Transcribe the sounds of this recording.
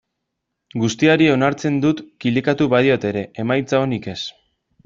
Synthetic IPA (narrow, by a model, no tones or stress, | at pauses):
ɡust̪iaɾio̞naɾt͡se̞nd̪ut̪kilikat̪uβaðio̞t̪e̞ɾe̞ʔemajt͡saonike̞s